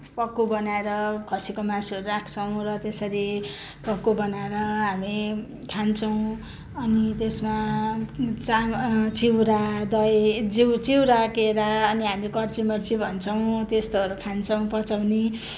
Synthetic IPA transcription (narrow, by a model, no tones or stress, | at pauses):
pʌkːobʌnaeɾʌkʰʌsikomãsiʌɾuɾakʰt͡sʰʌw̃rʌt̪esʌɾi | pʌkːobʌnaeɾʌɦami | kʰant͡sʰʌw̃ | ʌnit̪esma | t͡samt͡siwɾad̪ʌjd͡ziwt͡siwɾakeɾaʌniɦamikʌrt͡simʌrt͡sibʱʌnt͡sʰʌw̃t̪est̪oʌɾukʰant͡sʰʌw̃pʌt͡sawni